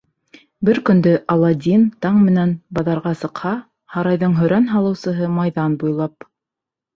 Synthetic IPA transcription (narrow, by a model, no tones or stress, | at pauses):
bɘɾkɵ̆nd̪ɵʔɑlˠɑd̪ʲint̪ɑɴmɘ̆nænbɑðɑɾʁɑsɤ̆qhɑ | hɑɾɑjðɤɴɦɵ̆ɾænɦɑlˠɤ̆wsɤ̆ɦɤmɑjðɑnbujlˠɑp̚